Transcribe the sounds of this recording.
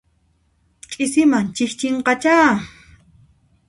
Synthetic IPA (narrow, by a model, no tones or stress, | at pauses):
kʼɪsɪmant͡ʃɪht͡ʃɪɴqɑt͡ʃaː